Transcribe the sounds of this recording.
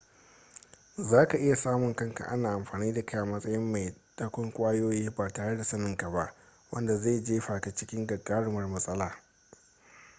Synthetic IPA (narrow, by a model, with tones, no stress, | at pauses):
zaː˦ka˨ʔɪ˦ja˨saː˦mʊ˨ŋkɐ˦ŋka̰˨ʔa˦naː˨ʔa˨mɸaː˨niː˦da˨ka˦ʔa˨mɐ˦sʼɐ˦jɪ˦mːa˨jd̥a˦kʷʊ˦ŋkʷʼaː˦joː˦jiː˦baː˨taː˨ɽe˦da˨sɐ˦nɪ˨ŋka˨ba˦ʔ | wɐ˦nda˨za˦˨d͡ʒeː˦ɸaː˨ka˨t͡ʃɪ˦kʲɪ˦ŋɡɐ˨ɡaː˦ɽʊ˦mɐ˨rmɐ˦sʼɐ˦laː˨